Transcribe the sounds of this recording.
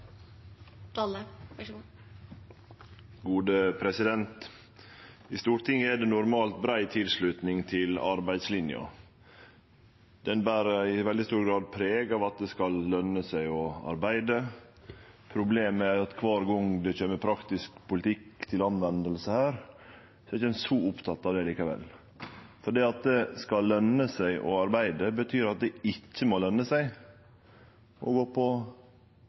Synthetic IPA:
t̪ɑlə | ɡuːd̪əpʰɾɛsɪd̪ɛnt̪ | ɪst̪uːɾʈ̪ɪŋːəæɖɛnʊɾmɑːlt̪̚bɾæɪt̪ʰɪlslʉt̪nɪŋt̪ʰɪlɑɾbæɪd̪slɪnjɑ̰ | d̪̥ɛnbæːɾəɪʋɛld̪ɪst̪uːɾɡɾɑːd̪̚pʰɾeːɡɑːʋɑt̪̚d̪ɛskɑlːœnəsæɪɔɑ̰ɾbæɪd̪ə | pʰɾʊbleːmæɾɑt̪kʰʋɑːɾɡɔŋd̪ɛçøːməpʰɾɑkt̪ɪskpʰʊlɪt̪ʰɪkt̪ʰɪlɑnʋɛnd̪əlsəhæːɾ | sɔɛɪçəd̪ɛnsɔʊpt̪ʰɑt̪ːɑːʋd̪ɛliːkəʋɛ̰l | fɔɖiːɑt̪̚d̪ɛskɑlːœnːəsæɪʔɔ̰ɑɾbæɪd̪əbət̪ʰyːɾɑt̪̚d̪ɛɪcːəmolœnːəsæɪ | ʔɔ̰ɡoːpʰɔ

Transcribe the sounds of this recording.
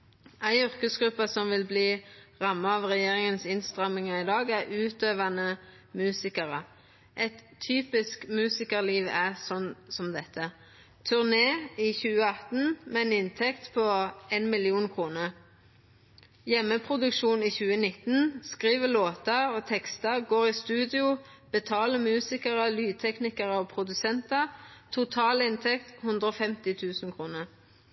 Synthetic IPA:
æɪʏʁkəsɡʁʉpːəsɔmʋɪlbliːʁɑmːɑɑʋʁɛjeːʁɪŋənsɪnst̪ʁɑmɪŋɑɪd̪ɑːɡæʁʉːt̪øːʋɑnə | mʉːsɪkəʁə | ʔɛt̪ʰːyːpɪskmʉːsɪkəʁliːʋæʁsɔnsɔmd̪ɛt̪ʰːə | t̪ʰʉʁneːɪçʉːəɑt̪nmɛɛnɪnt̪ʰɛkt̪pʰɔenmɪlɪuːnkʰʁuːnəʁ | jɛmːəpʰʁʊd̪ʉkʃuːniːçʉːənɪt̪n̩skʁiːʋəloːt̪ɑoːt̪ʰɛkst̪ɑɡoːʁɪst̪ʉːd̪ɪʊ | b̥ət̪ʰɑːləmʉːsɪkəʁəlyːd̪̚t̪ʰɛknɪkəʁəɔpʰʁʊd̪ʉsɛnt̪ɑt̪ʰʊt̪ʰɑːlɪnt̪ʰɛkt̪hʉnd̪ʁəoːfɛmt̪ɪt̪ʰʉːsn̩kʰʁuːnəʁ

